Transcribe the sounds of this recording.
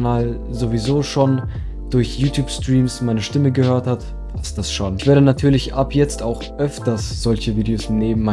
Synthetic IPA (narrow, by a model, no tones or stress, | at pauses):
naːl | zovizoːʃoːn | d̥ʊɐçjuːtʰjuːpstʁ̥iːmsmaɪnəʃtɪməɡəhøːɐthat | pʰastd̥asʃoːnɪçv̥eːɐɾənatʰyːɐlɪçʔapʰjɛt͡staʊxʔœftɐsz̥ɔlçəviːdeoːsneːbm̩ma